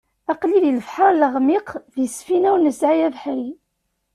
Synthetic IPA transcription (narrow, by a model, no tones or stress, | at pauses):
ɑqliðiləfħɑɾˤləʁmiqðisfinæwnəsʕijævħəɾ